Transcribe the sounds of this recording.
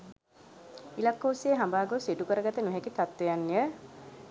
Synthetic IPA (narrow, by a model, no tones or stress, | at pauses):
ilakːoːseːɦambaːɡosiʈukəɾəɡat̪ənuɦɛkit̪at̪ːejanːijə